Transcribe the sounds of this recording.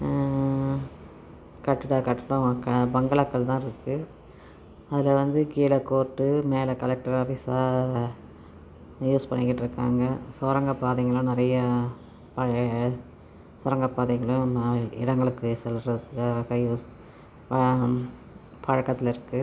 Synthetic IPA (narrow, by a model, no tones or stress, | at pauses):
kɐʈːɯɽaːkɐʈːɯɽɐ̃kːɐbɐŋɡɐɭɐkːɐɭt̪ãːɪɾɯkːɯ | ɐðɪlɐʋɐnd̪ɯkiːlɐkːoːʈːɯmeːlɐkɐlɛk̚ʈɐɾaːfisaː | juːspɐɳːɪkːɪʈːɪɾɯkːa̰ːŋɡɐsɔːɾɐŋɡɐpːaːðɛŋɡɐɭʊ̃nɪɾɐjɐ | pɐ | sɔɾɐŋɡɐpːaːðɐɪŋɡɐɭʊ̃ɪ̰ɽɐŋɡɐɭɯkːɯsɛlɾɐɯkːaːɣɐjuːs | pɐ | pɐɻɐkːɐt̪ːɪlɪɾɯkːɯ